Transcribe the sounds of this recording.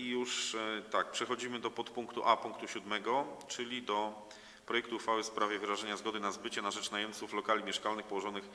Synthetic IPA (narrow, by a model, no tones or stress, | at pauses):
ijuʂt̪ak̚pʂɛxɔd͡ʑimɘd̪ɔpɔt̪puŋkt̪uʔapuŋkt̪uɕud̪mɛɡɔt͡ʂɘlʲid̪ɔ | pɾɔjɛkt̪uːxfawɘspɾavʲjɛvɘɾaʐɛɲazɡɔd̪ɘnazbɘt͡ɕɛnaʐɛt͡ʂnajɛmt̪suflɔkalʲimʲjɛʂkalnɘxpɔwɔʐɔnɘx